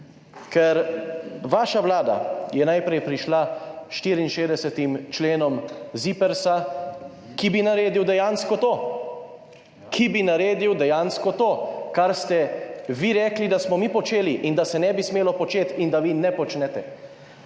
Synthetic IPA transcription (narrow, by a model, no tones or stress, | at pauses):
kɛɾʋaːʃaʋlaːd̪a̰jɛnajpɾɛjpɾiʃlaʃt̪iːɾiːnʃeːd̪ɛsɛt̪imt͡ʃleːnɔmzipɛɾsa | kibinaɾeːd̪iwd̪ɛjaːnskɔt̪oː | kʰibinaɾeːd̪iwd̪ɛjaːnskɔt̪oːkaɾst̪ɛʋiɾɛːklid̪asmɔmipɔt͡ʃeːliʔind̪asɛnɛbismeːlɔpɔt͡ʃeːt̪ind̪aʋinɛpɔt͡ʃnɛt̪ɛ